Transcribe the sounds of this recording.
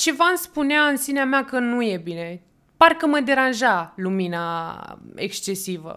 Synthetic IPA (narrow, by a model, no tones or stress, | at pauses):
t͡ʃevanspuneaɨnsineameakənuje̞bine̞ | parkəməd̪e̞ɾanʒalumina | ḛkst͡ʃe̞sivə̰